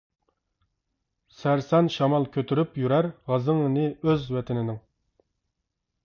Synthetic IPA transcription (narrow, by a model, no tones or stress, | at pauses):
sæɾsɛnʃɑmɑlˠkʲʰøt̪ʰyɾypjyɾæɾʁɑzɨŋɨnɪøzwɛt̪ʰɪnɪnɪŋ